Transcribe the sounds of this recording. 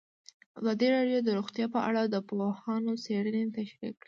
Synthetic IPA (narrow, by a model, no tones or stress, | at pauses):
azɑd̪iɾɑɖjod̪əɾuɣt̪jɑpəʔa̰ɽad̪əpohɑnoseɽənet̪aʃɾḭkːɽi